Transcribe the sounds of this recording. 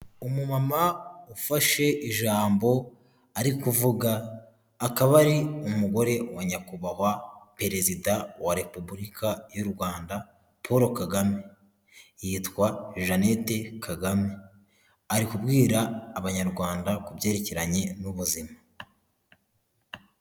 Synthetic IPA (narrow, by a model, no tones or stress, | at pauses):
umumamaufaʃe̞ʔiʒaːmbo̞ | aɾikuvuɡaː | kaβaɾiumuɡo̞ɾe̞waɲakuβaɦwape̞ɾe̞zidawaɾe̞pubuɾikʰajuɾɡwaːnda | pʰoɾo̞kaɡame̞ | jiːtkwaʒane̞te̞kʰaɡame̞ | aɾikubɡiːɾaːβaɲaɾɡwaːndakubje̞ːɾe̞ceɾaɲe̞nuβuzima